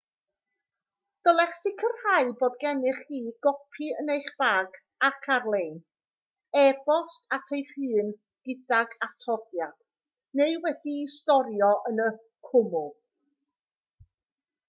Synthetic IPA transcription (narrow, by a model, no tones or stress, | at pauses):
d̥ɔlˠɛχsɪkʰərhaɨboːdɡɛnɪχiːɡ̥ɔpʰiənejχb̥aːɡ | akʰarlˠejn | ɛbɔɬtatʰejr̥ɨːn | ɡ̥ɪdaɡatʰɔdjad̥ | neɨwɛdiːstɔɾjɔʔənə | kʰʊmʊlˠ